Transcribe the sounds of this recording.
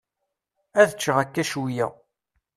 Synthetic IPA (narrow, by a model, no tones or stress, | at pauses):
æðət͡ʃːəʁækːæʃuwjæ̰